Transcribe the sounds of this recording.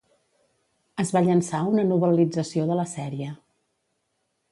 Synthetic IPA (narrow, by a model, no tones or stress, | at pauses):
əzβaʎənsaunənuβ̞əlid͡zəsioðələsɛɾiə